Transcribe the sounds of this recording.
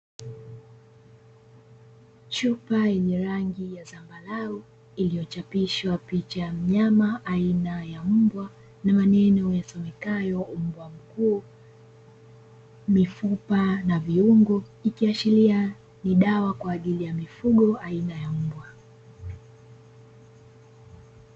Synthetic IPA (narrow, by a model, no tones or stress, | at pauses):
t͡ʃupajɛɲɛɾaŋɡijazambalaɔ | ilijɔt͡ʃapiʃwapit͡ʃam̩ɲamaʔainajam̩bwa | namanɛnɔjasɔmɛkajɔm̩bwam̩kuː | mifupanaviuŋɡɔikiat͡ʃilia | niɗawakwaːʄilijamifuɠɔʔainajam̩bwa